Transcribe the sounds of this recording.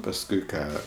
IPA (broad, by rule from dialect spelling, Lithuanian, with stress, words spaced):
pɐsˈkʊɪ ˈkɑː